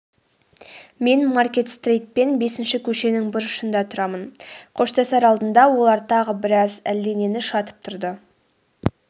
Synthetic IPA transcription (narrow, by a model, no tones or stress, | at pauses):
me̞nmarkʲe̞t̪st̪rejt̪̚pe̞nbe̞sɪnʃɪkʲʰɵʃe̞nɪŋbʊɾʊ̥ʃənd̪ɑt̪ʰʊɾɑmənqʰo̞ʃt̪ɑsɑɾɑlˠd̪ənd̪ɑwo̞lˠɑɾt̪ʰɑʁəbɪɾɑzæld̪e̞ne̞nɪʃɑt̪ə̥p̚t̪ʰʊɾd̪ə